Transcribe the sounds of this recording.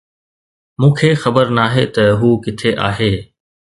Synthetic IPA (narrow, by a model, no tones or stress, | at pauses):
mũːkʰexɐbəɾnaːɦet̪ɐɦuːkɪt̪ʰeʔa̰ːɦeː